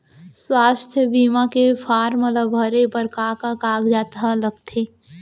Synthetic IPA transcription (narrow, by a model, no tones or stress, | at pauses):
swaːst̪ʰjəbiːmakefʰaːɾmələbʱəɾepəɾkaːkakaːɡd͡ʒaːt̪aləɡt̪ʰeː